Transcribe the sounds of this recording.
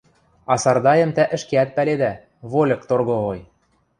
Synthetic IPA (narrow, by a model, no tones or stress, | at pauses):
ɑsɑrd̪ɑjə̆mt̪æʔɘ̆ʃkeæt̪̚pæled̪æ | βolʲɤ̆kt̪orɣŏoj